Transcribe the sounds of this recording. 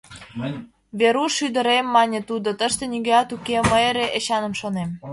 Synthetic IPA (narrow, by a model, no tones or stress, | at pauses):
βeɾuʃyd̪ə̆ɾemːɑnʲĕt̪ud̪ot̪əʃt̪enʲiɣeɑt̪ukeməeɾeʔeɕɑnə̆mʃonem